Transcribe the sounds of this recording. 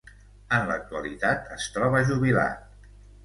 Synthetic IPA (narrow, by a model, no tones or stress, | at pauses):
ənlək̚t̪uəlit̪at̪əst̪ɾɔβəʒuβ̞ila̰t̪̚